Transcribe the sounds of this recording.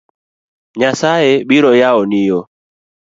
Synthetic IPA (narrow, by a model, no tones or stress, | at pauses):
ɲasaɛɓiɾɔjaɔnijɔ